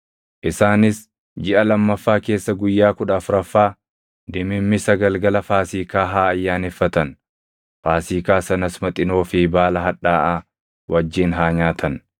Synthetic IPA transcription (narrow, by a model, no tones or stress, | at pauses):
ʔɪsaːnɪs | d͡ʒɪʔɐlɐmːɐfːaːke̞ːsːɐɡʊjːaːkʊᶑɐfʊɾɐfːaː | d̪ɪmɪmːɪsɐɡɐlɡɐlɐfaːsiːkaːɦaːɐjːaːnɛfːɐt̪ɐn | faːsiːkaːsɐnɐsmɐt̪ʼɪno̞ːfɪbaːlɐɦɐᶑaːʔaː | wʔɐd͡ʒːiːnɦaːɲaːt̪ʰɐn